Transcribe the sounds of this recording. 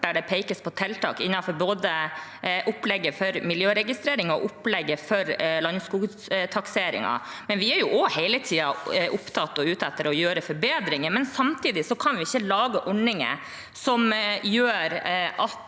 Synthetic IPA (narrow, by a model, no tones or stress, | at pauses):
ɖ̪æɖɛpʰæɪkəspʰɔt̪ʰɛlt̪ɑ̰ːkɪnːɑfɔɾboːd̪əʔʊplɛɡːəfɔɾmɪljøːɾɛɡɪst̪ɾeːɾɪŋɔ̰ʔʊplɛɡːəfɔɾlɑnːskuːɡ | t̪ʰɑkseːɾɪ̰ŋɑ̰mɛnʋɪæɾjʊʔɔhɛɪlət̪ʰiːɑʔʊpt̪ʰɑt̪ːɔʉːt̪ɛt̪ːəɾɔjøːɾəfɔɾbeːd̪ɾɪŋəmɛnsɑmt̪ʰiːd̪ɪsɔkʰɑnʋɪɪçːəlɑːɡəʔɔɳɪŋə̰ | sɔmjøːɾɑt̪